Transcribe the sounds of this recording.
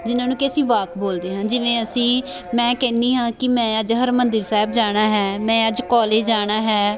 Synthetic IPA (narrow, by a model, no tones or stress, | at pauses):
d͡ʒɪnãːnuːkeəsĩːʋaːk̪boːld̪eːɦãːd͡ʒɪʋẽːəsĩː | mɛ̃ːkɛ̃ːnd̪iːɦãːkɪmɛ̃ːəd͡ʒɦəɾmənd̪ɪɾsaːɪbd͡ʒaːɽ̃aːɦɛːmɛ̃ːəd͡ʒkɔːleːd͡ʒd͡ʒaːɽ̃aːɦɛː